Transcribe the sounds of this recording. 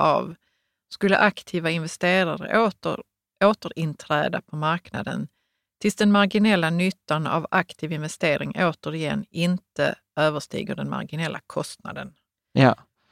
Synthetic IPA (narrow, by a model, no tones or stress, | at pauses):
a̰v | skɵlːə̰ʔakt̪ʰiːvaɪnvɛst̪eːɾaɾə̰ə | oːt̪əɾɪnt̪ʰɾɛːd̪a̰pʰɔmaɾkna̰d̪ə̰n | t̪ʰɪlsd̪ɛnmaɾɡɪnɛlːanʏt̪ːana̰vakt̪ʰiːvɪnvɛst̪eːɾɪ̰ŋʔoːt̪əɾɪjɛ̰nːɪnt̪ə̰ | øːvəʂt̪ḭːɡəd̪ɛnma̰ɾɡɪnɛlːʔa̰kʰɔst̪na̰d̪ənː